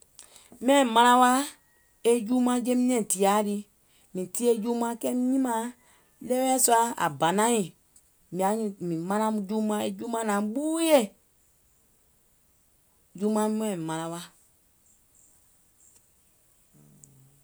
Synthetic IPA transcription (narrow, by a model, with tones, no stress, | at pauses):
m˦ɛ̃˦˨mã˧ɾã˦wa˦ | e˦juː˦mã˧˦d͡ʒe˦mĩ˦n˦ɛ̃˨ti˨a˨˦di˧ | mĩ˨ti˦e˦d͡ʒuː˦mã˦kɛ˦mĩ˦ɲĩ˦mã˦ | lɛ˦wɛ˦su˦a˦a̰˨ba˨nã˦jĩ˨ | mĩ˨a˨˦ɲĩ˧˨mĩ˨mã˧nã˦mũ˧d͡ʒuː˦mã˦e˦d͡ʒu˦mã˦nã˨˦ɓuː˦je˦˨ | juː˦mã˧mĩ˦ɛ̃˦˨i˨mã˨˧ɾã˧wa˦